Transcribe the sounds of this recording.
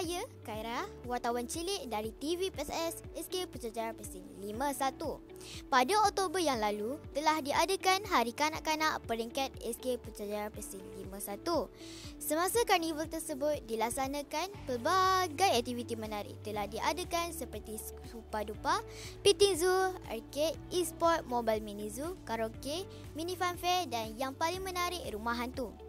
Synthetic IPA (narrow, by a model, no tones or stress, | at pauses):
ajəkaiɾahwart̪awant͡ʃilɪʔ̚daɾit̪ivipɛsɛsɛskepət͡ʃad͡ʒaɾapəsɪnlimãsat̪u | padaɔk̚t̪obərjaŋlalut̪əlahdiʔadəkanɦaɾikana̰ʔkanã̰ʔpəɾiŋkat̪̚ɛ̰skepət͡ʃad͡ʒaɾapəsɪŋlimãsat̪u | səmãsakarnivəlt̪ərsəbʊt̪̚dilaksanãkanpəbaɡajak̚t̪ivit̪imənaɾɪ̰ʔt̪əlahdiʔadəkansəpərt̪i | supadupa | pit̪inzua̰rkɛt̪ispɔrt̪̚mobalminĩzukaɾoke | mĩnĩfanfɛrdanjaŋpaliŋmə̃naɾɪʔɾumaɦant̪u